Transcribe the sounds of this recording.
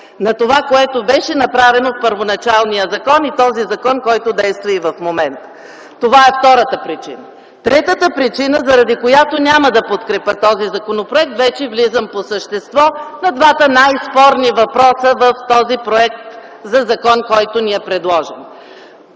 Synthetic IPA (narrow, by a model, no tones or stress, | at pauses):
nɐt̪ovakoɛt̪obɛʃɛnɐpɾavɛnofpəɾvonɐt͡ʃalˠnijəzɐkɔnit̪ɔzizɐkɔnkɔjt̪od̪ɛjst̪vəivɐfmomɛnt̪ə | t̪ovaɛft̪ɔɾət̪əpɾit͡ʃinə | t̪ɾɛt̪ət̪əpɾit͡ʃinəzɐɾɐd̪ikojat̪onʲaməd̪ɐpot̪kɾɛpʲət̪ɔzizɐkonopɾoɛk̚t̪vɛt͡ʃɛvlizəmposəʃt̪ɛst̪vɔnɐd̪vat̪ənajspɔɾnivɐpɾɔsəvəft̪ɔzipɾoɛk̚t̪ | zɐzɐkɔnkɔjt̪oniɛpɾɛd̪lˠɔʒɛm